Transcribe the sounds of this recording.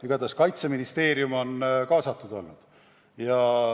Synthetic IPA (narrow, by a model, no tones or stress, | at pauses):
yɡ̥ɑd̪ɑskɑjt̪seminist̪e̞ːɾijumo̞nkɑːsɑt̪ːˑud̪o̞̰lːnud̪̥ | jɑ